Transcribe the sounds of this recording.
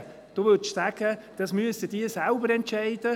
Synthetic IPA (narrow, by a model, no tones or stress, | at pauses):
d̥oːʋʏʃsæɡ̥əd̥ɑsmyəst̪ədiəsalbəɾɛntt͡ʃɛɪd̥ə